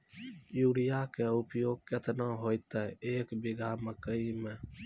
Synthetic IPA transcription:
juɽijakeupjoːɡ̚ket̪naɦojt̪ɛeːkbiɡaməkəimẽ

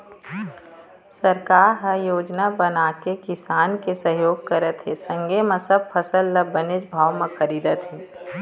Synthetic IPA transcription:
sɐɾkaːɾɦəjoːd͡ʒnabənaːkekɪsaːnkesəɦjoːɡ̚kəɾət̪ɦesɐ̃ŋɡemãsɐb̚fʰəsəlːɐbəned͡ʒbʱaːwmẽxɐɾiːd̪ət̪ɦɛ̃ː

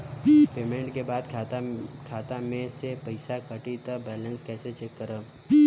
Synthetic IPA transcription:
peːmẽɳʈkebaːd̪kʰakʰaːt̪amẽsepəɪsakəʈit̪ɐbɛːlə̃nskɛːset͡ʃekːəɾəː

